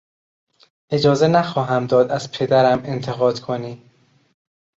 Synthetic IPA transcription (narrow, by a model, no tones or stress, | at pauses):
ʔe̞d͡ʒɒːze̞næxɒːɦæmd̪ɒːd̪æz̥pʰe̞d̪æɾæme̞nt̪ʰe̞ɣɒːd̪̥kʰoniː